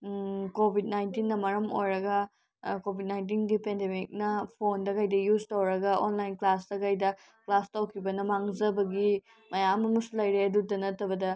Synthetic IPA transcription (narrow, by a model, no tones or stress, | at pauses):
kobʱid̚najntinːɐmɐɾɐmo̰jɾɐɡɐ | kobʱit̚najnt̬inɡipendemik̚nɐpʰondɐkɐjdɐjuztowɾɐɡɐʔonlajnklasdɐkajdɐ | klastawkʰibɐnɐmaŋzɐbɐɡi | mɐjamɐmusulɐjɾeɐdudɐnɐtːɐbɐdɐ